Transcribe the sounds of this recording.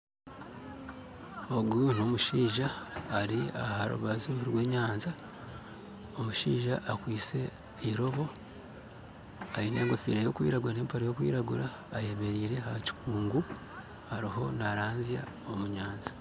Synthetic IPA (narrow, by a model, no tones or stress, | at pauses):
oɡun̥o̞muʃiːʒaːɾia̰haɾṵβazuɾwe̞ːɲaːnza | omuʃḭːʒaʔːkwiːt͡se̞ | iɾo̞βo̞ | ajine̞ːŋɡo̞fḭɾejo̞kwḭːɾaɡuɾane̞ːmpoɾejo̞kwḭːɾaɡuɾaː | je̞me̞ɾiːɾe̞haci̥kuːŋɡu | haɾiɦo̞naɾaːnzja̰ | omuɲaːnzḁ